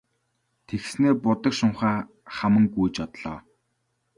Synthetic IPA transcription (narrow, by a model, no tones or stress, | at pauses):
t̪ʰexsneːpʊt̪ə̆kʃʊɴχaː | χamə̆ŋɡujt͡ɕɔt̪ɮ̥ɔː